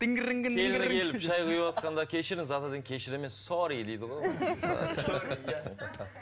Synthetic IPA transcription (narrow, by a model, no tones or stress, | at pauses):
t̪ɪŋɡʲɪɾɪŋɡʲɪnʰelnɪkʰʲe̞lɪpʒɑjqujəpwɑt̪̚qɑnd̪ɑkʲʰe̞ʃɪɾɪnzɑt̪ɑd̪əŋkʲʰe̞ʃɪɾɪmensoɾid̪ejd̪ɪʁojos